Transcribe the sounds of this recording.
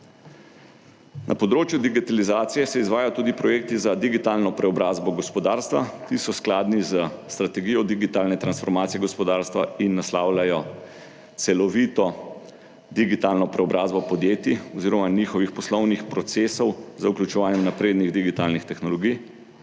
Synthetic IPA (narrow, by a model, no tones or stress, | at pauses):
nʔa̰pɔd̪ɾoːt͡ʃjud̪iɡit̪alizaːt̪sijɛsɛizʋaːjajɔt̪uːd̪ipɾɔjekt̪izad̪iɡit̪alnɔpɾɛɔbɾaːzbɔɡɔspɔd̪aːɾst̪ʋa̰t̪isɔsklaːd̪nizəst̪ɾat̪ɛɡiːjɔd̪iɡit̪alnɛt̪ɾansfɔɾmaːt̪sijɛɡɔspɔd̪aːɾst̪ʋa̰inːaslaːwlajɔ | t̪sɛlɔʋit̪ɔ | d̪iɡit̪alnɔpɾɛɔbɾaːzbɔpɔd̪jeːt̪iɔziːɾɔmaniːxɔʋixpɔslɔwnixpɾɔt̪seːsɔwzəuklʲut͡ʃɛʋaːnjɛmnapɾeːd̪niɣd̪iɡit̪aːlnixt̪ɛxnɔlɔɡij